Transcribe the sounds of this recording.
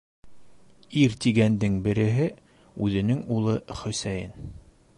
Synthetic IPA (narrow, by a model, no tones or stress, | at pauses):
iɾt̪iɡænd̪ɘŋbɘ̆ɾɘ̆ɦɘ | ʉðɘ̆nɘŋulˠɤχɵ̆sæjɘ̰n